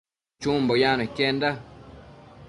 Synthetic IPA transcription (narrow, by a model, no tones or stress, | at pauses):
t͡ʃũmbojãnõikend̪a